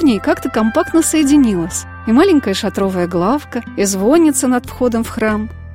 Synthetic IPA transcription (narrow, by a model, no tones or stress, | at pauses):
vnʲejkakt̪əkɐmpak̚t̪nəsəjɪdʲɪnʲilˠəsʲ | imalʲɪŋʲkəjəʂɐt̪ɾo̞vəjəɡlˠafkəizvonʲɪt̪sənɐt̪fxo̞d̪əmfxram